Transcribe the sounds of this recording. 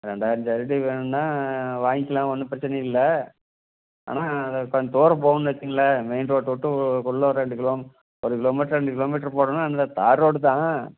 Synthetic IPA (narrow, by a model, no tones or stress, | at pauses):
ɾɛɳɖaːjɪɾɐɲd͡ʒɐɾɪʈːiʋeːɳɯnnãːʋaːŋkːɪlãːʋɐnːɯpɪɾɐt͡ʃːɪnɐɪlːɐ | a̰ːnaːɐðɐkɐɲt̪oːɾɐpoːɐnːɯʋɐt͡ʃːɪŋɡɐlɐmɛɪnɖɾoːʈːɔʈːɯkɔɭːɔɾɯɾɛɳɖɯkɪloːm | ɔɾɯkɪloːmiːʈɐɾɾɛɳɖɯkɪloːmiːʈːɐɾpoːɽɐnːaːɐnd̪ɐt̪aːɾoːɽɯt̪ãː